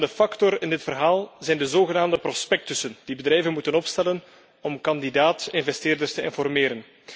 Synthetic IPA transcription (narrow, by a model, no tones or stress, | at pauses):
dəfɑktɔɾɪndɪtfərɦaːlˠzɛjndəzoːɣənaːmdəprɔspɛk̚tʏsənd̥ibədrɛjvənmutənɔpstɛlən | ɔmkɑndidaːtɪnvɛsteːrdərstəɪ̰nfɔrmeːɾən